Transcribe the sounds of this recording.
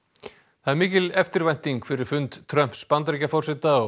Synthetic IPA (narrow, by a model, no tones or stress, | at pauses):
θaðɛɾmiːcɪlɛft̪ɪɾvajn̥t̪iŋkfɪɾɪɾ̥fʏnt̪ːʰɾœm̥pspant̪̬ɾicafɔr̥sɪt̪aɔ